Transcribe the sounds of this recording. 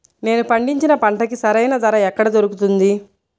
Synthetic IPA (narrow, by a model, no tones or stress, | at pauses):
ne̞ːnupɐɳɖiɲt͡ʃinɐpɐɳʈɐkisɐɾɐjnaːd̪ɐɾaːɛkːɐɽɐd̪oɾukut̪und̪i